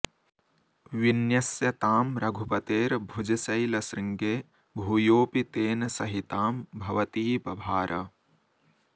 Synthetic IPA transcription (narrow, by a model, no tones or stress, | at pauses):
ʋinjɐsjɐt̪aːmɾɐɡʱupɐt̪eːɾbʱud͡ʒɐsɐjlɐsɾiŋɡeː | bʱuːjoːpit̪eːnɐsɐɦit̪aːmbʱɐʋɐt̪iːpɐbʱaːɾʔɐ